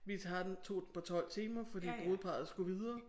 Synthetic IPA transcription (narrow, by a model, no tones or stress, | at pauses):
ʋit͡sʰɑ̈d̥ent͡sʰo̝̰ːd̥n̩pʰɒ̽t͡sʰɒ̽l̰t͡sʰiːmɐfɒ̽d̥ḭːbo̝ːð̩ˠpʰɑ̈ð̩ˠsɡ̥uʋið̞ˠɐː